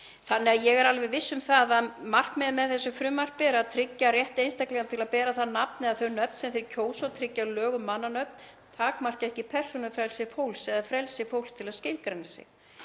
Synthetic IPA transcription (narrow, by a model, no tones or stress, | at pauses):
θanːɪaðjɛɣɛɾalvɛvɪsːʏmθaðaðmar̥kmɛðmɛðθɛsːʏfɾʏːmar̥k̚pɛːɾaðt̪ʰɾɪcːarjɛht̪ejnst̪ajklɛɣant̪ʰɪlaðpɛːɾaθaðnapnɪaðθœɥnœp̚t̪sɛmfθɪɾɪcʰoːwsot̪ʰɾɪcːalœːɣʏmːanːanœɥp̚n̥ | t̪ʰaːkmar̥kɛhcɪpʰɛr̥sɔnʏfɾɛlsɪfowlsɛðafɾɛlsɪfowlst̪ʰɪlaðscɪlkɾɛnːasɪ̰x